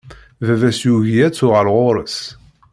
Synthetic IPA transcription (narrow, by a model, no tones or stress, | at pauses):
vævæsjuʝiæt͡sːʊʁəɾʁoɾəs